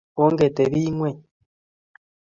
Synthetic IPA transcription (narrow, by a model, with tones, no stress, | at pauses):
o˦ŋɡe˨te˨βi˦ŋwe˦˨